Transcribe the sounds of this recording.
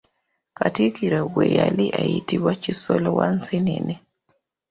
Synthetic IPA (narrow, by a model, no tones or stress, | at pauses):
katikiɾeɣwejaliʔajitiβwacisolowansinḛne